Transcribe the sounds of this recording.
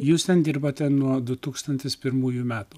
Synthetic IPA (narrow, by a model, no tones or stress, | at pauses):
juːst̪ʲɛnd̪ʲɪɾboːt̪ʲɛnuɔd̪ʊt̪uːkst̪ɐnʲt̪ʲɪspʲɪɾmuːjumʲæːt̪uː